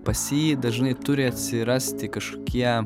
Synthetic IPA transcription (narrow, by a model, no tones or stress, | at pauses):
pɐsʲiːd̪ɐʒnɐɪt̪ʊɾʲɪɐt̪ʲsʲɪɾɐsʲt̪ʲɪkɐʃkoːkʲiɛ